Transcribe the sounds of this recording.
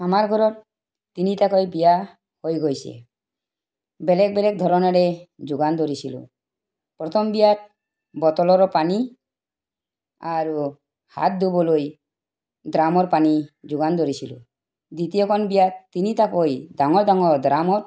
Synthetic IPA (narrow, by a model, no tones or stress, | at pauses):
amaɾɡʱɔɾɔɾ | t̪init̪akɔjbija | hojɡojsɛ̰ | bɛlɛk̚bɛlɛk̚d̪ʱɔɾɔnɔɾed͡ʒuɡand̪ɔɾisʰilṵ | pɾɔt̪ʰɔmbijaɾ | bɔt̪ɔlɔɾɔpani | aɾ | ha̰t̪̚d̪ubɔloj | d̪ɾamɔɾpanid͡ʒuɡand̪ɔɾisʰilṵ | d̪it̪ijɔkʰɔnbijat̪init̪akɔjd̪aŋɔɾd̪aŋɔd̪ɾamɔɾ